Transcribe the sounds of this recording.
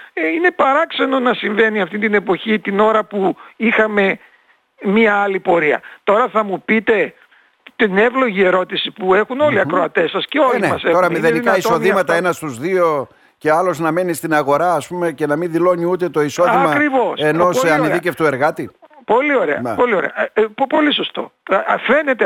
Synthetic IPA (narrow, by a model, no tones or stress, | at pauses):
eine̞pɐɾɐkse̞no̞nɐsiɱve̞niɐft̪int̪ine̞po̞çit̪ino̞ɾɐpuixɐme̞ | miɐɐlipo̞ɾiɐ̰t̪o̞ɾɐθɐmupit̪e̞ | t̪ine̞vlo̞ʝie̞ɾo̞t̪isipue̞xuno̞liɐkɾo̞ɐt̪e̞sɐsceo̞liemɐsetoɾɐmiðenikɐiso̞ðimɐt̪ɐenɐst̪uzðio̞ | ce̞ɐloznɐme̞nist̪inɐɣo̞ɾɐːspume̞ce̞nɐminðilo̞ɲiut̪e̞t̪o̞iso̞ðimɐkɾivo̞seno̞seɐniðiceft̪ue̞ɾɣɐt̪ipolio̞ɾḛɐ̰npo̞lio̞ɾḛɐppo̞liso̞st̪o̞̰fe̞ne̞t̪e